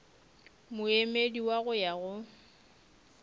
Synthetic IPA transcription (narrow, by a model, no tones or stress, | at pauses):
mʊemediwaɣʊjaɣʊ